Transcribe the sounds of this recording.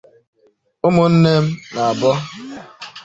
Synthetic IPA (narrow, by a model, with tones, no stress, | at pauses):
ʊ˦mʊ˨n̩˦ne˦m̩˦na˨a˨bɔ˦